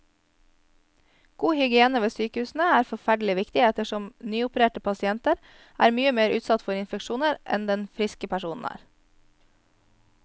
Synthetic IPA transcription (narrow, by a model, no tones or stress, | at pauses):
ɡ̥uːhʏɡɪeːnəʋeːsyːkəʉːsn̩əæːɾfɔfæɖl̩ɪʋɪkt̪ɪɛt̪əʃɔmnyːʊpəɾeːʈəpʰɑsɪɛnt̪əɾ | ʔæ̰ːɾmyːəmeːɾʔʉ̰ːt̪sɑt̪fɔɾɪnfɛkʃuːnəɾʔɛ̰nd̪ɛnfɾɪskəpʰæʃuːnn̩æ̰ːɾ